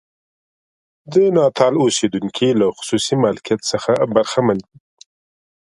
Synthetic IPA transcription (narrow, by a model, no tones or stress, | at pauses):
d̪ənɑt̪ʰɑlosed̪uŋkʰilaxʊ̥susimɑlakijat̪səxabaɾxamandi